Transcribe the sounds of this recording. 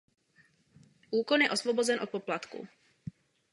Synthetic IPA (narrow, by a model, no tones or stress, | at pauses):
ʔuːkonjɛʔo̞svobozɛnʔot̪̚po̞plat̪kṵ